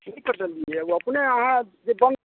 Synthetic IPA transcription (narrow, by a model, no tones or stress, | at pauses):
nəikəɾd̪əliɛuəpneəɦãd͡ʒebən